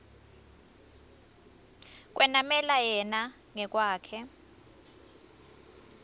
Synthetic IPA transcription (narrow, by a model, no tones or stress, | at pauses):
k̬ʼwɛnamɛlajɛna | ŋɛk̬ʼwaːkʰɛ